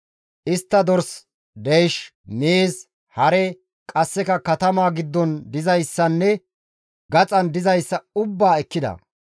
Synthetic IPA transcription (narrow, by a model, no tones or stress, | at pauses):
ʔɪst̪ːɐd̪ɔɾs | d̪ejʃ | neːs | hɐɾɛ | kʼɐsːɛkɐkɐt̪ɐmaːɡɪd̪ːɔnd̪ɪzɐjsːɐnːɛ | ɡɐt͡sʼɐnd̪ɪzɐjsːɐʊbːaːɛkːɪd̪ɐ̰